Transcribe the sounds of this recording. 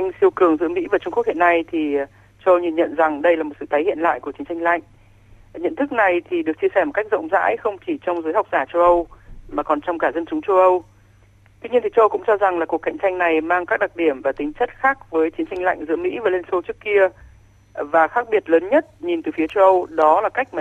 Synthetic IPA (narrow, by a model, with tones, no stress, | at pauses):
ʔa˧ŋsi˧əwkɨ˨˩əŋzɨ̰˧˥əmḭ˧˥vaː˨˩t͡ɕʊ˧ŋ͡mkək̚hḭ˧˨na˧jt̪ʰi˨˩ | t͡ɕə˧wʔə˧wɲi˨˩nɲə̰˧˨nza˨˩ŋɗə˧jlaː˨˩mo˨˩t̚sɨ̰˧˨t̪ʰːjhḭ˧˨ənla̰ː˧˨jku˧˩ət͡ɕi˨˦nt͡ɕa˧ŋ̟la̰˧˨jŋ̟ | ɲə̰˧˨nt̪ʰɨ˦˥k̚na˨˩jt̪ʰi˨˩ɗɨ˨˩ək̚t͡ɕi˧əsɛ˧˩mo˨˩ka˦˥jk̟̚zə̰˧wŋ͡mza̰ː˧˥jxə˧wŋ͡mt͡ɕi˧˩t͡ɕɔ˧wŋ͡mzəː˨˦jɦa˨˩wk͡p̚zaː˧˩t͡ɕə˧wʔə˧wmaː˨˩kɔ˨˩nt͡ɕɔ˧wŋ͡mkaː˧˩zə˧nt͡ɕʊ˨˦ŋ͡mt͡ɕə˧wʔə˧w | t̪wi˧ɲi˧ənt̪ʰi˨˩t͡ɕə˧wʔə˧wkʊ̰˧˥ŋ͡mt͡ɕɔ˧za˨˩ŋlaː˨˩ku˨˩əkːa̰˧˨jŋ̟t͡ɕa˧jŋna˨˩jmaː˧ŋkaː˦˥k̚ɗa˨˩t̚ɗi˧˩əmvaː˨˩t̪ï˨˦ŋt͡ɕə˦˥t̚xaː˦˥k̚vəː˨˦jt͡ɕi˨˦ənt͡ɕa˧jŋ̟la̰˧˨jŋ̟zɨ̰˧˥əmḭ˧˥vaː˨˩le˧nso˧t͡ɕɨ˦˥əkːi˧ə | vaː˨˩xaː˦˥k̚ɓi˨˩ət̚ləː˨˦nɲə˦˥t̚ɲi˨˩nt̪ɨ˨˩fi˨˦ət͡ɕə˧wʔə˧wɗɔ˨˦laː˨˩ka˦˥k̟̚maː˨